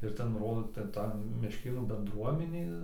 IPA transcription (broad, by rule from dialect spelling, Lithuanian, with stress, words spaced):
ɪr ˈtʲɛn ˈroːdoː ˈtʲɛn ˈtɐ mʲɛʃʲˈkʲeːnuː bʲɛnˈdruɔmʲɪnʲeː